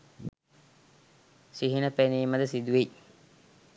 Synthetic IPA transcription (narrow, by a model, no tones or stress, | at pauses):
siɦinəpeniːməd̪əsid̪uʋej